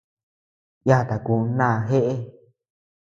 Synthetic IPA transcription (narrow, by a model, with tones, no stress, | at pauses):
ja˦˨t̪a˨ku˧˦nã˦˧ɦe˦ʔe˦